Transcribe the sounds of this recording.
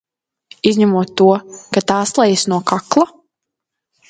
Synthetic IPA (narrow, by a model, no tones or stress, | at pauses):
izʲɲamuɔt̪ːuɔkat̪aːslˠɛjsnuɔkaklˠa